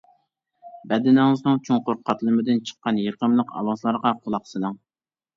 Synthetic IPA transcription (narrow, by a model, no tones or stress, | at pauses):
bɛd̪ɪnɪŋɨznɨŋt͡ʃʰoŋqʊɾqʰɑt̪lˠɨmɪd̪ɪnt͡ʃʰə̥qːɑnjeɾqəmlˠəqɑ̰wɑslˠɑɾʁɑqʰʊlˠɑqsɨlɨŋ